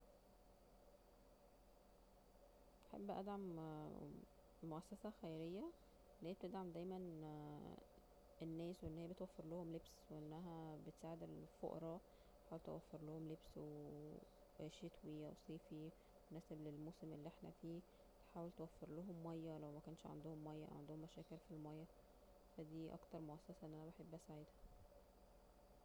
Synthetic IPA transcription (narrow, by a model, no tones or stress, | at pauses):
ʔaħḛbːʔæ̰d̪ʕam | oʔæsːæsæxæjɾejːæ | læib̚t̪ed̪ʕamd̪æjmæn | enːæːsweʔenːhijæbet̪wæfːeɾlohomlebsweʔenːæɦæbet̪saʕd̪elfo̰ʔɾˤɑ | ħaːwelt̪ḛwæfːeɾˤlohomlebswee | ʃet̪wiæ̰wsˤiːfi | onæːseblelmosemʔelːiʔeħnæ̰fiː | et̪ħaːwelt̪ewæfːeɾloɦomːɑjːælæwmækæːnʃʕa̰nd̪ohomːɑjːæʔæ̰wʕand̪ohomːæʃæːkeɾfilmɑjːæ | fæd̪iːʔɑ̰kt̪ɑɾˤmoʔæsːæsæʔenʔænæbeħebːæsaʕed̪hæ